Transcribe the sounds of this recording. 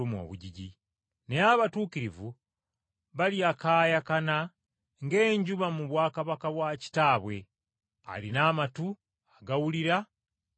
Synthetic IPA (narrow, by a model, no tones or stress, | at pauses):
umo̰βuɟiɟi | ne̞aβatuːkiɾivu | βaliakaːjakana | ŋɡe̞ːɲɟuβamuβwaːkaβakaβwaci̥taːβwe̞ | a̰linaːmatu | aɡawuliɾa